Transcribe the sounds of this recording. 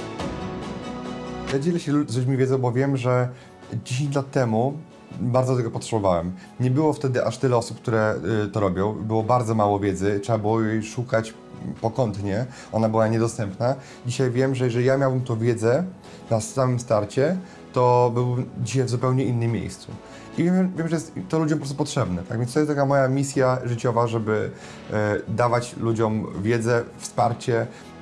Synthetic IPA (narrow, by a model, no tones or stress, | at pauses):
jad͡ʑɛlɛɕɛzlud͡ʑmʲivʲjɛdzɔw̃bɔvʲjɛmʐɛ | d͡ʑeɕ̬ẽɲt͡ɕlat̪ːɛmu | baɾd̪zɔd̪t̪ɛɡɔpɔtʂɛbɔvawɛm | ɲɛbɘwɔft̪ɛd̪ɘʔaʂt̪ɘlɛɔsup̚k̚t̪uɾɛt̪ɔɾɔbʲjɔ̃w̃bɘwɔbaɾd̪zɔmawɔvʲjɛd̪zɘtʂɛbabɘwɔjejʂukat͡ɕ | pɔkɔnt̪ɲɛ | ʔɔnabɘwaɲɛd̪ɔst̪ɛmpna | d͡ʑiɕajvʲjɛmʐɛjɛʐɛlʲijamʲjawbɘmt̪ɔ̃w̃vʲjɛd̪zɛ | nasamɘmst̪aɾt͡ɕɛ | t̪ɔbɘwbmd͡ʑiɕajvzupɛwɲɛinːɘmʲːjḛjst̪sṵ | ivʲjɛmvʲjɛmʐɛjɛst̪t̪ːɔlud͡ʑɔ̃mpɾɔst̪upɔtʂɛbnɛt̪a̰ɡvʲjɛnst̪ɔjɛst̪akamɔjamʲis̬ʲjaʐɘt͡ɕɔvaʐɛbɘ | d̪avat͡ɕlud͡ʑɔmvʲjɛd̪zɛfspaɾt͡ɕɛ